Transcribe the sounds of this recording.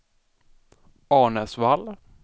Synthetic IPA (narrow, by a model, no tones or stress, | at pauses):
ɑːɳəsval